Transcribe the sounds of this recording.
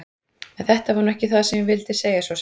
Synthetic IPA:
ɛnθɛht̪avaɾnɛhcɪθaðasɛmjɪvɪlt̪ɪseːjasvɔs

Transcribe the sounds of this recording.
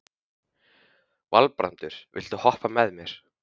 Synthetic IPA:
valpɾa̰nt̪ʏɾ̥vɪ̰l̥t̪ahɔhpamɛðmjɛɾ̥

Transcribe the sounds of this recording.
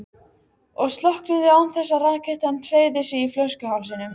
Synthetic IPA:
ɔɣst̪lɔhknʏðɪawnθɛsːaraːkɪjht̪hanːr̥eːjðɪsɪiflœscʏhawfsɪnʏm

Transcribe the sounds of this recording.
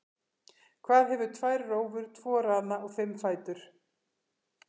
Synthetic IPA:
kʰvaːðɦɛvʏt̪ʰvajɾroːwvʏɾ̥t̪ʰvɔːɾaːðnaɔɣfɪmːfaːjt̪ʏɾ̥

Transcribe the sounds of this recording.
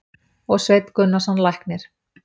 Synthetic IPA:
ɔɣsvejt̪kʏnːasanlajhknɪɾ̥

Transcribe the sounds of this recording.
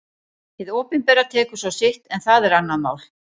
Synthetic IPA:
hɪðɔːpɪnpɛːɾat̪ʰɛːkʏ̥sawsɪht̪ɛnθaðɛɾanːama̰ːwl̥

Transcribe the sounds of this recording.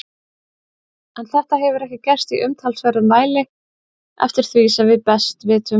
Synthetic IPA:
ɛnθɛht̪aɦɛvʏɾɛhcɪcɛr̥st̪iʔʏmt̪ʰalsvœɾʏmvaːjlɪ | ɛ̰ft̪ɪɾ̥θvisɛmvɪðpɛst̪vɪːt̪ʏm

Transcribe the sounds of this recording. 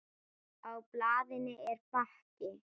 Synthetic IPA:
awplaːðɪnɪʔɛɾpahcɪ

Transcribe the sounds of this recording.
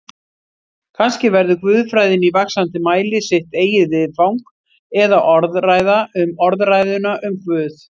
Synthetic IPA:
kʰanscɪvɛɾðʏkvʏːðfɾajðɪnivaksant̪ɪmaːjlɪsɪht̪eːjɪðvɪðfawŋk | ɛðaʔɔɾðraːjðaʏmɔɾðraːjðʏnaʔʏmkʰvʏːθ

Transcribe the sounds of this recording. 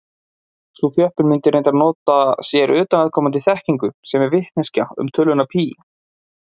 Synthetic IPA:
θuθjœhpʏnmɪnt̪ɪɾejnt̪anɔːt̪asjɛɾʏːt̪anaðkʰɔːmant̪ɪθɛhciŋkʏsɛmɛɾvɪht̪nɛscaʏ̰mt̪ʰʏlːʏnapʰiː

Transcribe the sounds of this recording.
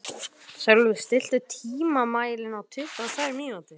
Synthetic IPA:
sœlvʏst̪ɪl̥t̪ʏt̪ʰiːmamaːjlɪnawt̪ʰʏht̪aðθaːɪɾmiːawt̪ɪ

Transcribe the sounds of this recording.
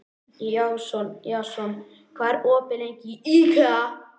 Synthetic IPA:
jawsɔnjawsɔn | kʰvaːɾɔːpɪlejɲcɪika

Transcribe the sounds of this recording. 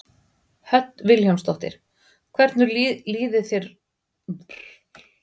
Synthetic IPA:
hœt̪vɪlçœwmst̪ɔht̪ɪ̰ɾ̥ | kʰvɛɾt̪nʏɾliːðɪθjɛɾ

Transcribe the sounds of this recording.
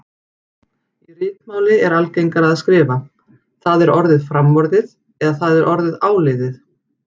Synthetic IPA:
irɪːt̪maːwlɪɛɾalcejŋkaɾaðskɾɪːva | θaðɛɾɔɾðɪðfɾamvɔɾðɪð | ɛðaθaðɛɾʔɔɾðɪðaːwlɪðɪθ

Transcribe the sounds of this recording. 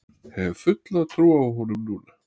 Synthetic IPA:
hɛvfʏt̪lat̪ʰɾuːaɦɔnʏmnuːn

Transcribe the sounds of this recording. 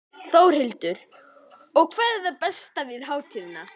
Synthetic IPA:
θowɾ̥hɪlt̪ʏɾ̥ | ɔɣkʰvɛːðɛθapɛst̪avɪðhaːwt̪ʰiːvna

